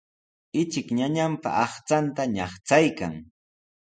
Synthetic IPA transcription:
ɪt͡ʃɪkɲaɲampa̰ʔɑχt͡sant̪aɲɑχt͡sajka̰ŋ

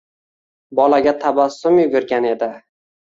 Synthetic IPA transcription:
bɒlaɡʲat̪ʰabasːʊmjʊɡʲʊɾɡʲane̞d̪ɪ

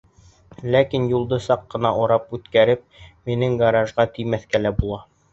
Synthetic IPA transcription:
lækinjulˠd̪ɤsɑqːɤ̆nɑʔɒɾɑpʉt̪kæɾɘp̚minɘŋɡaɾɑʒʁɑt̪ijmæθkælæbulˠɑ

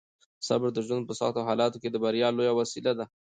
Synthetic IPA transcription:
sa̰bɾd̪əʒwənd̪̚pəsɑ̰t̪oɦɑlɑt̪oked̪əbaɾjɑlojawasilad̪a

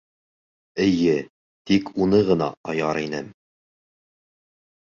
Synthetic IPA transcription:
ɘ̆jɘ | t̪ikʰunɤʁɤ̆nɑ̰ɑjɑɾinɘm

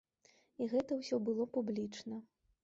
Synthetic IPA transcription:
iɣɛt̪ɐwsʲɔbɨlˠɔpublʲit͡ʂnɐ

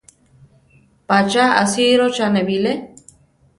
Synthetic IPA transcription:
pat͡ʃaa̰siɾot͡ʃanebile

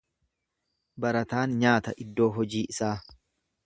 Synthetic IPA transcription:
bɐɾɐt̪aːnɲaːt̪ɐʔɪd̪ːo̞ːɦɔd͡ʒiːʔɪsaː

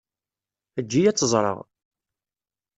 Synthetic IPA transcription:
əd͡ʒːijæt͡sːəzˤɾˤə̰ʁ

